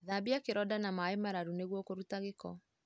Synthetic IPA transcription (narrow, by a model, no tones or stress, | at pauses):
ðabiakeɾɔdanamaemaɾaɾuneɣwɔkoɾutaɣekɔ